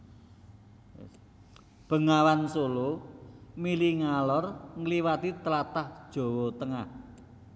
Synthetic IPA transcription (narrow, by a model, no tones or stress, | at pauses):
b̥ə̤ŋawansolo | miliŋalɔrŋəliwat̪it̪əlat̪ahd̥ʒ̥o̤wɔt̪əŋah